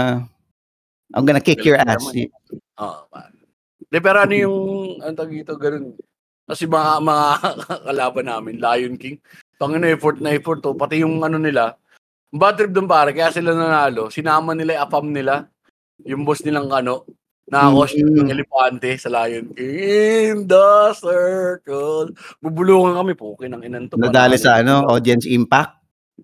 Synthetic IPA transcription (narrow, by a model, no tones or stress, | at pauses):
ʔɐ̰ŋɡɐnakɪkjɔɹa | ʔo̰ːʔo̰pa̰ɾ | d̪ɛp̬ɛːɾoʔɐnojʊŋɐnot̪ɐɡiːt̪oɡɐno̞n | kɐsɛmɐŋamɐŋakɐlaːbɐnːaːmɪnlaːjonkɪŋ | p̪ɐŋɐnoʔɛfoɹt̪nɐɛfoɾt̪opɐt̪ɪjʊŋʔɐno̞nɪla | mbat̪ɾɪp̚d̪ʊnpaːɾɐkɐjaːʔsɪlanɐnaːlo̞sɪnaːmɐnɪlajʔɐpamnɪla | jʊŋbosnɪlaŋkɐno̞ʔ | nɐakoɐsɐɛlɛpaːnt̪ɛsɐlaːjonkɪŋɪnd̪asɛkolbubʊluːŋɐŋkɐmɛpuːkɪnɐŋʔɪnɐnt̪onɐd̪aːlɪsɐʔɐnoʔod̪jɐnsʔimpak̚t̪̚